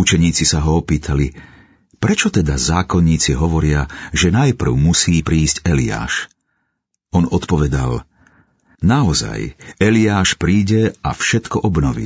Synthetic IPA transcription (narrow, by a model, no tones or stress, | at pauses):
ut͡ʃɛɲiːt͡sisaɦɔɔpiːt̪ʰali | pɾɛt͡ʃɔt̪ɛd̪azaːkɔnːiːt͡siɦɔʋɔɾɪaʒɛnajpr̩ʊmusiːpɾiːzɟɛlia̰ːʃ | ɔnɔt̪pɔʋɛd̪a̰l | naɔza̰jɛliaːʃpɾiːɟɛa̰fʃɛt̪kɔʔɔbnɔʋḭː